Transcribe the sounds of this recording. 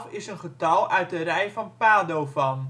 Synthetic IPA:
fɪsənχətɑlˠœɥt̚dərɛjfɑnpaːdowfɑn

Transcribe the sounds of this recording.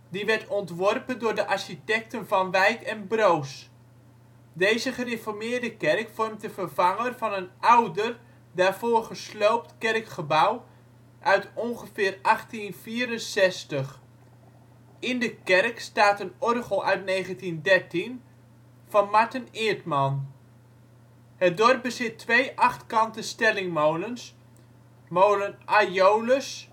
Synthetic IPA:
diʋɛɹtɔntʋɔrpəndʊːɹdəʔaɹʃitɛk̚tənvɑnʋɛjkɛnbrows | dejzəχərefɔɹmɪːɹdəkɛrkfɔrmt̚dəvərv̥ɑŋərvɑnənʔawdər | daːvoːrχəslowp̚tkɛrkχəbaw | ʔœɥtɔnχəfɪːrɑχtinviːɾənsɛstəχ | ɪndəkɛrkstaːtənɔrχəlˠʔœɥtneːχəntindɛrtin | fɑnmaɹtənɪːətmɑn | hət̚dɔrp̚bəsɪtʰːʋejʔɑχtkɑntəstɛlɪŋmowləns | moːlənʔajowləs

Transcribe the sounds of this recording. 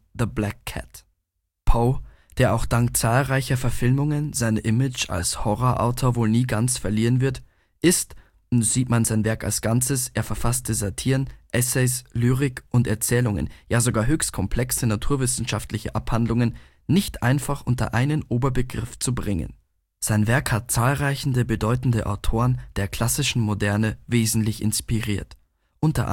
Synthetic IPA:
ðəblakʰːɛ̰t | pʰaʊ | d̥eːɐʔaʊxd̥aŋk̚t͡saːlʁaɪçɐfɛɐfɪlmʊŋənzaɪnəʔɪmɪt͡ʃa̰lshɔʁoʔa̰ʊtʰoːɐvoːlniːɡant͡sfɛɐliːʁənvɪɐt | ʔɪst | ʊntz̥iːtmanzaɪnvɛɐka̰lsɡ̥ant͡səsʔeːɐfɛɐfastəzatʰiːʁənʔɛsɛɪslyːʁ̞ɪkʔʊntɛɐt͡sɛːlʊŋə̰njaːzoɡaːɐɦøːçst̚kʰɔmpl̥ɛksənatʰuːɐvɪsn̩ʃaftlɪçə̰ʔaphandlʊŋənː | ɪçtʔa̰ɪnfaχʔʊntɐ̰ʔaɪnənʔoːbɐbəɡʁɪft͡subʁɪŋə̰n | z̥aɪnvɛɐkhat̚t͡saːlʁaɪçn̩dəbədɔʏtn̩dəʔa̰ʊtʰoːʁənd̥eːɐkʰl̥asɪʃn̩modɛɐnəveːzn̩tlɪçɪ̰nspiʁiːɐt | ʔʊntɐ̰ʔ

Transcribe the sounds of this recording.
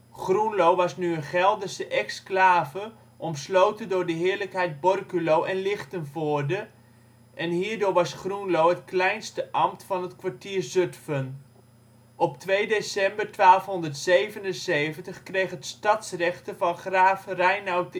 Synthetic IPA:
χrunlowʋɑsnyənχɛlˠdəsəʔɛksklaːvə | ʔɔmslowtəndʊːɹdəɦɪːɹləkɦɛjd̚bɔrkylowʔɛnlɪχtənvʊːɹdə | ʔɛnɦiːɹdʊːɹʋɑsχrunlowɦətklɛjnstəʔɑmtfɑnɦətkʋaɹtiːɹzɵtfən | ɔptʋejdesɛmbəɹtʋaːlˠfɦɔndəɹtsejvənənsejvəntəχkrejχətstɑtsrɛχtəvɑnχraːfrɛjnawt

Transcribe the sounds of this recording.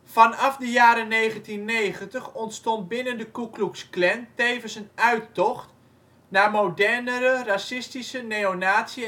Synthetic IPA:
fɑnɑfdəjaːɾənejχəntinːejχəntəχɔntstɔnd̚bɪnəndəkukluksklɛntejvənsənœɥtɔχt | naːmowdɛrnəɾərasɪstisəneonaːtsiə

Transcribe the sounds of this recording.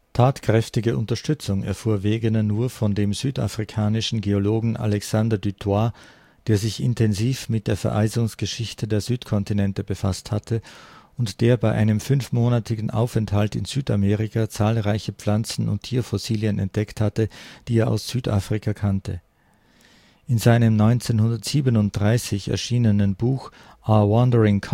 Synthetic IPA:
tʰaːtkʁ̥ɛftɪɡəʔʊntɐʃtʏt͡sʊŋɛ̰ɐfuːɐveːɡənɐnuːɐfɔndeːmzyːta̰fʁ̥ikʰaːnɪʃn̩ɡeoloːɡŋ̩ʔa̰lɛksandɐdytʰwa | d̥eːɐzɪçɪ̰ntʰɛnziːfmɪt̚d̥eːɐfɛɐʔa̰ɪzʊŋsɡ̥əʃɪçtʰədeːɐzyːtkʰɔntinɛntəbəfasthatʰəʔʊntd̥eːɐbaɪʔa̰ɪnəmfʏnfmoːnatʰɪɡn̩ʔa̰ʊfɛnthaltɪnz̥yːta̰meːʁɪkʰat͡saːlʁaɪçəp͡flant͡sn̩ʊ̰ntʰːiːɐfɔsiːljənɛ̰nt̚d̥ɛkthatəd̥iːeːɐʔa̰ʊsz̥yːtʔa̰ːfʁ̥ikʰakʰantʰə | ʔɪnzaɪnəmnɔʏnt͡seːnhʊndɐtz̥iːbənʊnt̚d̥ʁaɪsɪçɛ̰ɐʃiːnənənbuːx | ʔawɔndəʁɪŋkʰ

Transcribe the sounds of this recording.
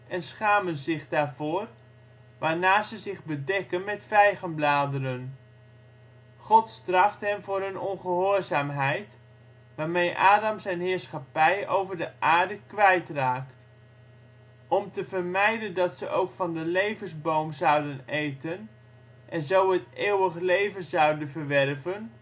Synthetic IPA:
ɛnsχaːmənzɪχdaːɹvʊːr | ʋaːɹnaːzəzɪχbədɛkənmɛtfɛjχənblaːdərən | χɔtstrɑftɦɛmvʊːrɦɵnɔnχəɦoːɹzaːmɦɛjt | ʋaːɹmejʔaːdɑmzɛjnɦɪːɹsχɑpɛjowvəɹdəʔaːɹdəkʋɛjtraːkt | ʔɔmtəvəɹmɛjdəndɑtsəʔowkfɑndəlejvənzbowmzɑwdənejtən | ʔɛnzowɦəteːwəχəlejvənzɑwdənvəɹʋɛrvən

